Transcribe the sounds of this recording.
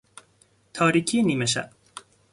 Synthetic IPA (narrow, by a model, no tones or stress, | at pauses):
t̪ʰaːɾikʲinimaɕa̰